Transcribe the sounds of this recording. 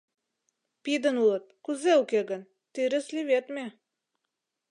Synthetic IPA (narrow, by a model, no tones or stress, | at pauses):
pid̪ə̆nulˠɤt̪̚kuzeukeɡə̆n | t̪iɾɘslʲivet̪mʲe